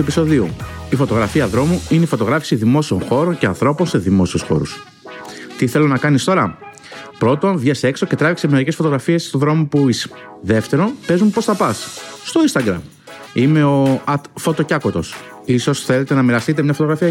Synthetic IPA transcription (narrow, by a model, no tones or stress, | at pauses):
uepiso̞ðiu | ifo̞t̪o̞ɣɾɐfiɐðɾo̞muineifo̞t̪o̞ɣɾɐfi̥siðimo̞sio̞nxo̞ɾo̞ɲceɐ̰nθɾo̞po̞nse̞ðimo̞siusxo̞̰ɾṵs | t̪iθe̞lo̞nɐkɐnist̪o̞ɾɐm | pɾo̞t̪o̞nvʝese̞kso̞ce̞t̪ɾɐviksemeɾicefo̞t̪o̞ɣɾɐfie̞st̪o̞ðɾo̞mopuis | ðe̞ft̪e̞ɾo̞pe̞zumpo̞sθɐpɐsːt̪o̞inst̪ɐɡɾɐ̰m | ime̞oɐt̪fo̞t̪o̞cɐkot̪o̞̰s | iso̞sθele̞t̪e̞nɐmiɾɐst̪it̪̬emɲɐfo̞t̪o̞ɣɾɐfiɐ